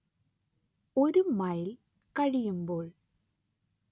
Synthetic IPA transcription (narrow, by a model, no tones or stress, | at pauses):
oɾɯmɐjɪl | kɐɻɪjɯmboːɭ